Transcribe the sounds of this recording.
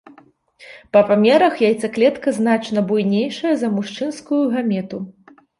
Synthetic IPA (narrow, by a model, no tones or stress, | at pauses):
pɐpamʲɛɾɐxjajt̪sɨklʲɛt̪kɐznat͡ʂnɐbujnʲejʂɐjɐzɐmuʂt͡ʂɨnskujuɣamʲɛt̪u